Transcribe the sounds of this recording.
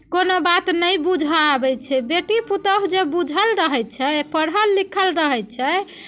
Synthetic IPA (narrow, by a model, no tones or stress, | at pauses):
konobat̪nəjbud͡ʒʱaabɛt͡ʃʰɛbeʈiput̪əɦd͡ʒebud͡ʒʱəlɾəɦɛjt̪̚t͡ʃʰɛpəɽɦəlːikʰəlɾəɦɛt̪̚t͡ʃʰɛ